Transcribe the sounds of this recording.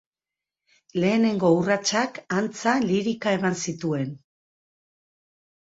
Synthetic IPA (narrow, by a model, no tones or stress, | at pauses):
le̞ːne̞ŋɡo̞urat͡ʃakant͡saliɾikae̞mansit̪ue̞n